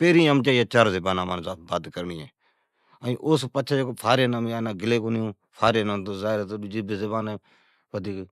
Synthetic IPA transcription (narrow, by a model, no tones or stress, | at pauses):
peːɾiːmt͡ʃaːijeːt͡ʃaːɾseːbaːnãːmaːnːsaːbaːd̪kəɾniːeː | əĩːʔʊspət͡ʃʰad͡ʒkːpʰaːɾeːnaːmaːnaːɡɪleːkoːnjũː | pʰaːɾeːnaːt̪oːzaːɾt̪ːd͡ʒɪbesebaːneː | ʋəd̪iːk